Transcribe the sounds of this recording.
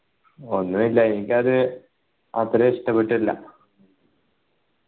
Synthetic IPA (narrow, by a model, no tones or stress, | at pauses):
o̞nːumilːɐenikʲːaðɨ | ɐt̪ːɾɐiʂʈɐpːeʈːilːɐ̰